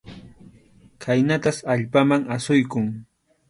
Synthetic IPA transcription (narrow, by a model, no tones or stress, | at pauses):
kʰajnat̪asaʎpamaŋasʊjkʊŋ